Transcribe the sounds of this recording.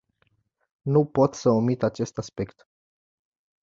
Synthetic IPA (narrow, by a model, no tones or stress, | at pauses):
nupo̞t̪səomit̪at͡ʃe̞st̪aspe̞kt̪